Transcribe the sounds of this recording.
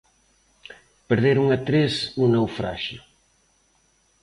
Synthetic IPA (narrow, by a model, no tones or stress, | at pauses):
peɾðeɾuŋat̪ɾesnunewfɾa̰ʃʊ̰